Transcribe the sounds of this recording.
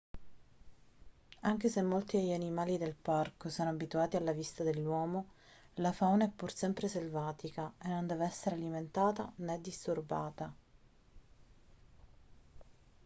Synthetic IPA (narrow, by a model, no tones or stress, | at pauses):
aŋk̟esemːolt̪id̪eʎːanimaːlid̪elparkosɔːnoabit̪uaːt̪ialːavist̪ad̪elːwɔːmo | lafawneɛpːursɛmpɾeselvaːt̪ikaenːond̪ɛːveɛsːeɾealiment̪aːt̪a̰nɛd̪ːist̪urba̰ːt̪a